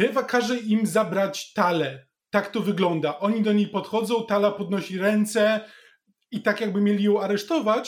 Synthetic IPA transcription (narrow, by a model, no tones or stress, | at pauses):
ɛvakaʐɛimzabɾat͡ɕt̪alɛ | t̪akt̪ɔvɘɡlɔnd̪aʔɔɲid̪ɔɲejpɔt̪xɔd̪zɔ̃w̃t̪alapɔd̪nɔɕiɾɛnt̪sɛ | it̪akjaɡ̚bɘmʲjelʲijɔ̃w̃aɾɛʂt̪ɔvat͡ɕ